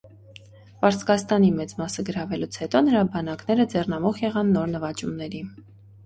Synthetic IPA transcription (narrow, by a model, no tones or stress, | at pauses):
pɑɾt͡sʰkɑst̪ɑnimɛt͡smɑsəɡəɾɑvɛlut͡sʰhɛt̪ɔnəɾɑbɑnɑknɛɾəd͡zɛrnɑmɔχjɛʁɑnːɔɾnəvɑt͡ʃumnɛɾi